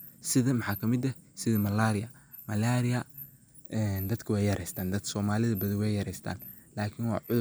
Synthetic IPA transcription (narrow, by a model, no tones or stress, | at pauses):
sɪðɐmɑħɑːkʰɐmɪd̪ɐsɪðɐmɐlaːɾɪjɐ | mɐlaːɾɪjɐ | ɛːnd̪ɐd̪kʰɐwɛjɐɾʔɛjst̪ʰaːnd̪ɐd̪sɔːmaːlɪðɐbɐðɪwɛjɐɾɛjst̪ʰa̰ːn | laːkʰɪnwɑ̰ːʕʊð